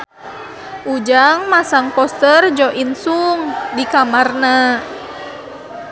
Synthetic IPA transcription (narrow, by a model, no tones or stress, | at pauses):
ʔud͡ʒaŋmasaŋpɔst̪ərd͡ʒɔʔinsuŋdikamarna